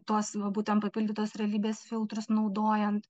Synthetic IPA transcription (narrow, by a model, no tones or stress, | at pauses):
t̪oɔsʋɐbuːt̪ʲɛnpɐpʲilʲdʲɪt̪oːsɾʲɛɐlʲiːbʲeːsfʲɪlˠt̪ɾʊsnɐʊd̪oːjɛnt̪